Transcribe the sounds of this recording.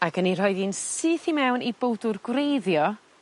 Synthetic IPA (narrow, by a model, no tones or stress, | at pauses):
aɡənir̥ɔjðinsɨːθimɛwnibowdʊrɡwrejðjɔ